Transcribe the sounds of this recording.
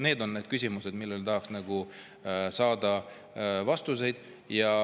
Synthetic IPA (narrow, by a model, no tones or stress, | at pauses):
ne̞ːd̪o̞nne̞ːd̪̥kysʲimuse̞d̪̥milːelt̪ɑɦɑksnɑɡ̥u | sɑːd̪ɑ | vɑst̪us̬e̞jd̪̥ | jɑ